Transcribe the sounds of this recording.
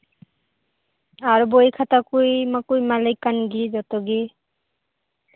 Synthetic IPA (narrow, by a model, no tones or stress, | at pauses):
aɹubojkʰatakujmakujmalijkːanɡizɔtɔɡi